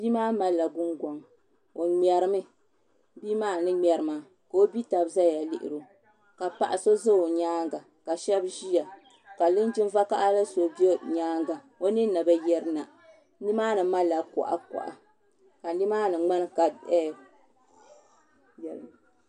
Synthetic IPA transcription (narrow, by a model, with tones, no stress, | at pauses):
bi˦maː˦ma˦lːa˨ɡʊ˦ŋɡɔ˨ŋ | o˨ŋ͡mɛ˨ɾɨ˦mɨ˦ | bi˦maː˦˨nɨ˦ŋ͡mʲɛ˨ɾɨ˨ma˨ | ka˨o˦bi˦ta˨bza˦ja˨lɪ˦ʔɪ̰˨ɾo˨ | ka˨pa̰˨ʔa˨so˦zɨ˦o˨ɲaː˦ŋɡa˨ | ka˨ʃɛ˦bʒi˦ja˨ | ka˨lɨ˦n˦d͡ʒɪ˦nva˦ka˦ʔa˦la˦so˨bi˦e˦ɲaː˦ŋɡa˨ | o˦nɨ˦na˨ba˦jɛ˦ɾɨ˦na˨ | ni˦maː˦nɨ˨ma˦lːa˨kʊ̰˨ʔa̰˨kɔ̰˨ʔa̰˨ | ka˨ni˦maː˦nɨ˨ŋ͡ma˦n˦ka˨ɛ˦ | jɛ˨